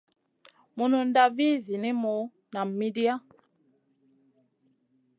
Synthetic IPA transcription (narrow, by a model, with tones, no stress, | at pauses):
mu˨nu˨n̩˦da˦vi˦zi˨ni˦mo˨˦ | na˨mi˦di˦a˦